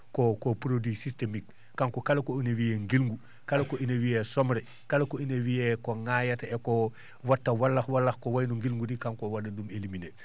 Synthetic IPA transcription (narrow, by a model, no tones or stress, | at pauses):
kokopɾodwisistemik̚ː | aŋkokalekoinewijeŋɡilŋɡu | kalekoʔinewijesomɾe | kalekoinewijekoŋajateko | watːawalːaxwalːaxkowajnuŋɡilŋɡudikaŋkowadedumelimine